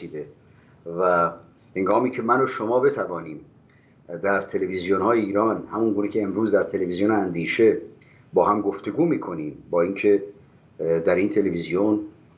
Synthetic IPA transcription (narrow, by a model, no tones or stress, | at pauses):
siːd̪e | væ | heŋɡɒːmiːcʰe̞mænoʃo̞mɒːbe̞t̪ʰævɒːniːm | d̪æɾt̪ʰe̞le̞vizijonhɒːjeiːɾɒːnhæmuŋɡuːnecʰe̞ːmɾuːzd̪æɾt̪ʰe̞levizijonænd̪iːʃe̞ | bɒːhæmɡoft̪e̞ɡuːmiːkʰo̞niːmbɒːiːncʰe̞ | d̪æɾiːnt̪ʰe̞le̞vizijon